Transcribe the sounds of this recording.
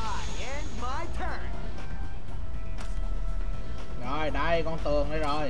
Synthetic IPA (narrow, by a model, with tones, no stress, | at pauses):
ɛ˧nma˧jtʰə˨˩ | zo˨˩jɗə˧jkɔ˧nt̪ɨ˨˩əŋɗə˨˧˦zo˨˩j